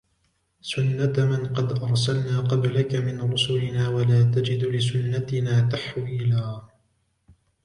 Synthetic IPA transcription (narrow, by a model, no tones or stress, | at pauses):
sʊnːat̪mɪnqɑd̪ʔɑɾˤsalnaːqɑblakamɪnɾʊsʊlɪnaːwalaːt̪ad͡ʒɪd̪lɪsʊnːat̪ɪnaːt̪aħwiːlaː